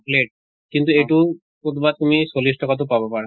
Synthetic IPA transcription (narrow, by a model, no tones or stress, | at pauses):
pleʈ̚ | kint̪ueʈu | kot̪bat̪̚t̪umisolisʈʰɔkat̪̬opabɔpaɾa